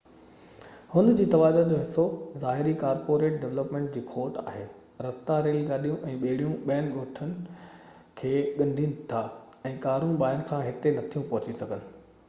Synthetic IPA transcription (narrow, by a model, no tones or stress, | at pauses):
hʊ̃nd̪d͡ʑiːt̪ɐʋaːd͡ʑad͡ʑoːɦɪsːozaːɦɪɾikaːɾpoːɾeːʈ̚ɖeʋləpmẽːɳʈ̚d͡ʑiːkʰoːɾʈa̰ːɦeː | ɾɐst̪aɾeːlɡaːɗijũʔɛ̃ːɓeɦɪɽijũɓijənɪ̆ɡoːʈʰənɪ̆ | kʰeːɠɐ̃nd̪ʱinɪ̆t̪ʰaɛ̃ːkaːɾũɓaːɪənɪ̆kʰãːɦɪt̪enɐt̪ʰijũpɐɦʊt͡ɕisɐɡʱənɪ̆